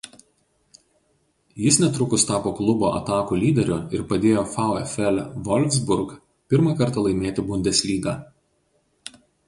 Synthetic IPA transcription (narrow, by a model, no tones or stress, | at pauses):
jɪsnʲɛt̪ɾʊkʊst̪ɑːpoːklˠʊboːʔɐ̰t̪ɑːkuːlʲiːd̪ʲɛɾʲʊɪɾpɐd̪ʲeːjoːfɑˑʊɛfʲɛlʲʋɔlʲʋʲzbʊɾk | pʲɪɾmɑkɐɾt̪ɑlˠɐɪmʲeːt̪ʲɪbʊnʲd̪ʲɛsʲlʲiːɡɑː